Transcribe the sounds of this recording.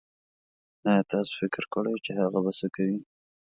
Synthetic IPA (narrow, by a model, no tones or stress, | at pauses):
nat̪ɑso̥fɪkɾkəɽəjt͡ʃehaɣabasəkawi